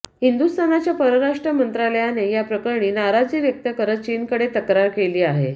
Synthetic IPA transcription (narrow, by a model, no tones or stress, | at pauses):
hind̪ust̪anat͡ɕjapəɾəɾaʂʈɾəmənt̪ɾaləjanejapɾəkəɾɳiːnaɾad͡ziːʋjək̚t̪əkəɾət̪̚t͡ɕinkəɽet̪əkɾaɾkeliːaɦe